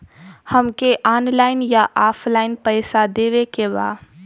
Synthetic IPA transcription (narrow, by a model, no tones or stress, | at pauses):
həmkeʔaːnlaːɪnjaʔaːpʰlaːɪnpəɪsad̪eːʋekeba̰ː